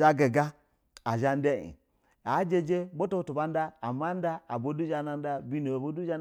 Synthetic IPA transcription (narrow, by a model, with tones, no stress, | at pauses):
a˦ɡe˨ɡa˦ | a˨ʒa˦n˦de˦ḭ˨ | a˨˦d͡ʒe˦d͡ʒe˦bo˦to˦˨tu˨ba˦n˦da˦a˨ma˦n˦da˦a˨bo˦du˦d͡ʒa˦na˦n˦a˦bi˦no˨a˨bo˦du˦a˦n